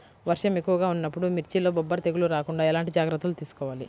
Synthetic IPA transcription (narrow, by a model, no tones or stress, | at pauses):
ʋɐɾʂɐmekːuʋɐɡaːunːɐpːuɽumiɾt͡ʃilo̞ːbɔbːɐɾɐt̪eɡuluɾaːkuɳɖaːɛlaːɳʈid͡ʒaːɡɾɐt̪ːulut̪iːsu̥kɔːʋaːli